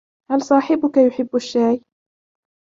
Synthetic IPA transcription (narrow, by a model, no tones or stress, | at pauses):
halsˤɑːħɪbʊkajʊħɪbːaʃːaːj